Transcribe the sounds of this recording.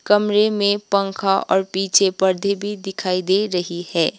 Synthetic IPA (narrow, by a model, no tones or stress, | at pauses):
kɐmɾemẽpɐ̃ŋkʰaʔɔ̰ːɾpiːt͡ʃʰepɐɾd̪ʱebʱid̪ɪkʰaːid̪eːɾɐɦihɛː